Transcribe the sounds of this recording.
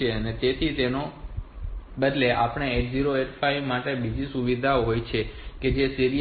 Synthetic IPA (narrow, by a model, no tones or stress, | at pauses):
eənet̪et̪ʰit̪eno | bəd̪leʔapɳ̃eeʈ̚ziɾoeʈfaiʋmaʈebid͡ʒisuʋid̪ʱaoɦojt͡ʃʰeked͡ʒesiɾi